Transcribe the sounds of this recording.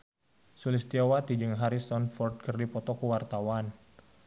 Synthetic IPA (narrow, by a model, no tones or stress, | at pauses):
sulɪst̪iawat̪id͡ʒɨŋɦaɾisɔnfɔrt̪̚kərdipɔt̪ɔkuwart̪awan